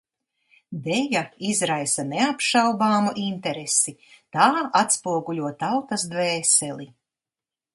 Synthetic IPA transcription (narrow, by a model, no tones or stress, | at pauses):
d̪ɛjaizɾajsaneapʃawbaːmuʔint̪ɛɾesit̪aːat̪spuɔɡulʲuɔt̪awt̪ɐsd̪vɛːsɛli